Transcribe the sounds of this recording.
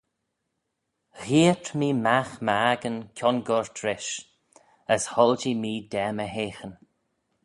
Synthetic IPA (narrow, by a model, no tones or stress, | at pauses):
ɣiətʰmiːmaxməaɡənkʰʲɔnɡɔɹt̪ʰɾɪʃ | əshɔld͡ʒimiːd̪ɛːməɦeːxən